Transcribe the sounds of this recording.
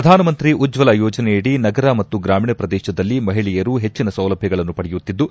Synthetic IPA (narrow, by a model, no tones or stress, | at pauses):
ɐd̪ʱaːnɐmɐnt̪ɾiʔud͡ʒʋɐlɐjɔːd͡ʒɐnɛjɐɽinɐɡɐɾɐmɐt̪ːuɡɾaːmiɳɐpɾɐd̪ɛːʃɐd̪ɐlːimɐɦiɭijɐɾuɦe̞t͡ʃːinɐsɐwlɐbʱjɐɡɐɭɐnːupɐɽɛjut̪ːid̪ːu